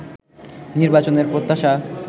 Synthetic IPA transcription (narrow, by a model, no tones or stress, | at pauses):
niɾbat͡ɕoneɾpɾot̪ːaʃa